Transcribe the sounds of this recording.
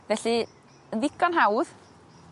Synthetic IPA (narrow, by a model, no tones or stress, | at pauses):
vɛɬi | ənvɪkʰanɦawð